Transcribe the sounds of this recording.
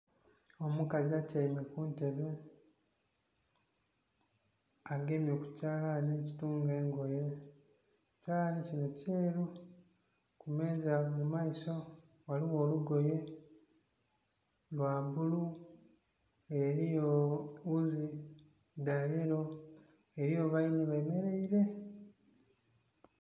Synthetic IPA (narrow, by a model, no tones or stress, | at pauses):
o̞mukaziacaime̞kunte̞βe | aɡe̞mjo̞ku̥caːlaneci̥tuːŋɡeːŋɡo̞je̞ | caːlanicino̞ceːɾu | kume̞ːzamumaiso̞ | waliwo̞ːluɡo̞je̞ | lwaːβulu | eɾijouzi | daje̞ɾo̞ | e̞ɾijo̞βainiβeːme̞ɾe̞iɾe̞